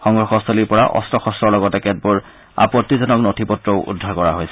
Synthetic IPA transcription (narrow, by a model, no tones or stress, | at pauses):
xɔŋɡɹɔxɔsɔliɹpɔɹaʔɔ̰stʰɔxɔstɔɹlɔɡɔtɛkɛt̚buɹ | a̰pɔtːizɔnɔknotʰipɔtɹɔʊʔṵdʱːaɹkɔɹaɦojsɛ̥